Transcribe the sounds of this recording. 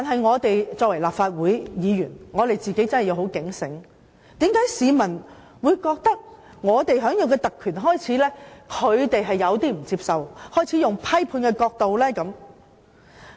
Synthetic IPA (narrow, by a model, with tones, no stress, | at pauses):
t̪aː˨nɦɐ˨jŋɔː˨˧t̪e˨jt͡sɔː˧k̚wɐ˨˩jlaː˨pfaː˧t̚wuː˨˥jjiː˨˧jyː˨˩nŋɔː˨˧t̪e˨jt͡siː˨ke˨˥jt͡sɐ˥nhɐ˨jɐ˨˧who˨˥wkɪ˨˥ŋsɪ˨˥ŋ | t̪iː˨˥mkaː˨˥jsiː˨˧mɐ˨˩n | wuː˨˧jkɔː˧k̚t̪ɐ˥k̚ | ŋɔː˨˧t̪e˨jɦœː˨˥ŋjɐ˨˧wkɛː˧t̪ɐ˨kʰːyː˨˩nɦɔː˥jt͡sʰiː˨˥lɛː˥kʰɵ˨˧ɥt̪e˨jɦɐ˨jːɐ˨˧wt̪iː˥m̩˨˩t͡siː˧p̚sɐ˨whɔː˥˩jt͡sʰiː˨˥jʊ˨˩ŋpʰɐ˥jpʰuː˧nkɛː˧kɔː˧k̚t̪o˨wlɛː˥kɐ˨˥m